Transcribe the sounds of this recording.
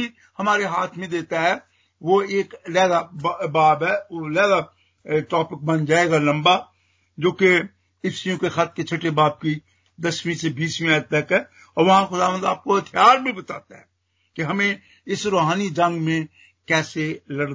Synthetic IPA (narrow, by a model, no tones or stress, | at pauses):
i | hɐmaːɾeɦaːt̪ʰmẽd̪eːt̪aɦɛ | ʋoeːklɛːɡabaːbɦɛlɛːɡa | ʈɔːpɪk̚bɐ̃nd͡ʒaːeɡalɐ̃mba | d͡ʒoːke | ɪfsijõkexat̪̚ket͡ʃʰɐʈebaːb̚ki | d̪ɐsmĩsebiːsmĩaːd̪̚t̪ɐkɦɛː | ɔːɾʋɐɦãxʊd̪aːʋə̃nd̪aːp̚koɦɐt̪ʰijaːɾbʱibɐt̪aːt̪aɦɛ | kiɦɐmẽ | ɪsɾoːɦaːnid͡ʒɐ̃ŋɡmẽ | kɛːselɐɽ